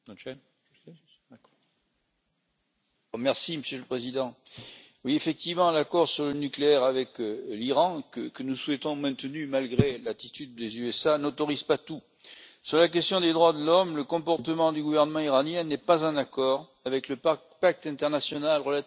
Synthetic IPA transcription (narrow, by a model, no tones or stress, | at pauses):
mɛʁsiməsjøləpχezid̪ɑ̃ | wiefɛk̚t̪ivmɑ̃lakɔʁsyʁlənykleɛʁavɛkliʁɑ̃kəkənuswɛt̪ɔ̃mɛ̃t̪ənymalɡʁelat̪it̪yd̪ːezyɛsanɔt̪ɔʁizpat̪u | syʁlak̬ɛst̪jɔ̃d̪ed̪ʁwad̪əlɔmləkɔ̃pɔʁt̪əmɑ̃d̪yɡuvɛʁnəmɑ̃iʁanjɛ̃nɛpazɛ̃nakɔʁ | avɛkləp | pak̚t̪ɛ̃t̪ɛʁnasjɔnalʁəla